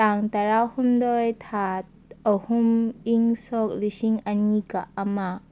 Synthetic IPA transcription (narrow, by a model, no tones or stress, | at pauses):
aŋt̪aɾawhumdɔjt̪ʰat̪̚əhumiŋsɔk̚lisiŋanikaʔɐma